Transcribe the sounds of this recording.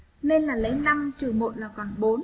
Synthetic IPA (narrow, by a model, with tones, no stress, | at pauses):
ne˧nlaː˨˩lə˨˦jna˧mt͡ɕɨ˨˩mo̰˧˨t̚laː˨˩kɔ˨˩nɓo˨˦n